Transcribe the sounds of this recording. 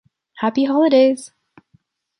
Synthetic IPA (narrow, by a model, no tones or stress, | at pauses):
hæpiɦɑlˠəɾeɪɪz̥